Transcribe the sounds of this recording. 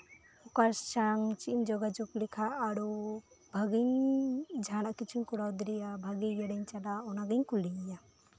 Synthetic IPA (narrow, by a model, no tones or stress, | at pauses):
ɔkaɾssaŋt͡ʃiʔɲd͡ʒɔɡad͡ʒuklikʰaʔːɾu | bʱaɡiɲd͡ʒʱanaʔkit͡ʃʰuɲkuɽawd̪iɾijabʱaɡijaɽɛɲt͡ʃadaɔnaɡiɲkulɖiɲiɲa